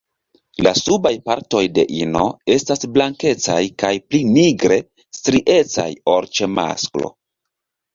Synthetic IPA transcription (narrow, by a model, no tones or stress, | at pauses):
lasubajpaɾto̞jde̞̰ʔino̞̰e̞stasblaŋke̞t͡sajkajpliniɡɾe̞ | stɾiʔe̞t͡sa̰joɾt͡ʃe̞ma̰sklo̞̰